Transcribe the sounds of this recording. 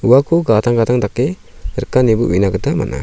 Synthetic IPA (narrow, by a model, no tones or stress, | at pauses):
uwakʰuɡataŋɡataŋdakːe | ɾəkːanibuʔwinaɡɯt̪ʰama̰nʔa̰